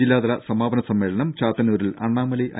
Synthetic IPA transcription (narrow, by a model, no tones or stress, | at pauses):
ilːaːðɐlɐsɐmaːbɐnɐsɐmːeːɭɐnɐmt͡ɕaːt̪ːɐnuːɾilɐ̰ɳːaːmɐlɐiʔɐ̰